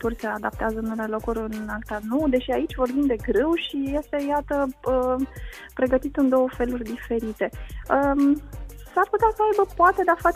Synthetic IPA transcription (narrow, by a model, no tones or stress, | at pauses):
t̪ursead̪ap̚t̪eazənulelo̞kuɾʲɨnakt̪anud̪e̞ʃiait͡ʃʲvo̞rbind̪d̪e̞ɡɾewʃije̞st̪e̞jat̪əə | pɾe̞ɡət̪it̪ɨnd̪o̞wəfe̞lurʲd̪ife̞ɾit̪e̞əmsarput̪easəajbəpoat̪e̞d̪afat͡ʃ